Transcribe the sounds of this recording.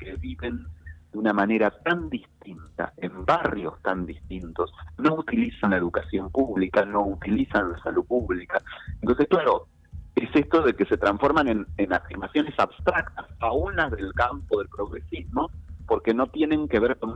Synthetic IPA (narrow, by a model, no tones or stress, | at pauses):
keβiβe̞nd̪eunamane̞ɾat̪and̪ist̪int̪a̰embarjo̞st̪and̪ist̪int̪o̞sno̞ut̪ilisanlaeðukasjo̞mpuβlikano̞ut̪ilisanlasaluðpuβlikaent̪o̞nsehklaɾo̞ | esest̪o̞ðekese̞t̪ɾaɱfo̞ɾmanenenafiɾmasjo̞ne̞saβst̪ɾak̚t̪asaunlazðe̞lkampoðe̞lpɾo̞ɣɾesizmo̞po̞ɾkeno̞t̪je̞nẽ̞ŋke̞βeɾkon